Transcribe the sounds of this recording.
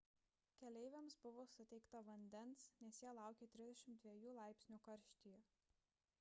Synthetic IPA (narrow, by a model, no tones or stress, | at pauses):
kʲɛlʲɛɪʋʲɛmsbʊʋoːsʊt̪ʲɛɪkt̪ɐʋɐnʲd̪ʲɛnsnʲɛsjiːlˠɑˑʊkʲeːt̪ʲɾʲɪzd̪ʲɛʃʲɪmt̪d̪ʲʋʲiɛjuːlˠɑˑɪpʲsʲnʲuːkɐɾʲʃʲt̪ʲijɛ